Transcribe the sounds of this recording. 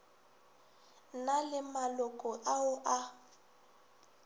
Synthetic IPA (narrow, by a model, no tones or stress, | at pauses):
nalɪmalʊkʼɔʔaʊʔa